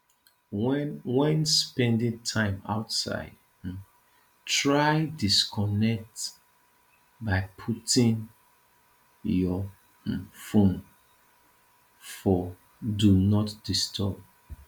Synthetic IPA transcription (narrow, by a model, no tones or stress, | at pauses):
wɛ̃nspɛ̃ndĩntʰãɪ̃ma̰ʊtsa̰ɪd | tɹaɪdiskʰɔnɛk̚t | baɪpʰutĩŋ | jɔ | fõn | fɔ | dunɔtd̥istʰɔb̚